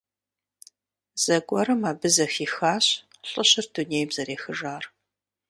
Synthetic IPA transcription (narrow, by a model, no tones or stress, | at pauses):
z̥ɐɡʷʼɔɾɐmaːbɨzɐxiːxaːɕ | ɬʼɨɕɪrduneːjbzɐɾeːxɨʒaːr